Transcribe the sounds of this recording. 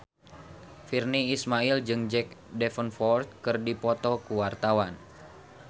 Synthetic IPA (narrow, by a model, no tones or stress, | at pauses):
firniːsmaild͡ʒɨŋd͡ʒɛk̚dɛfənfɔrt̪̚kɨrdipɔt̪ɔkuwart̪awan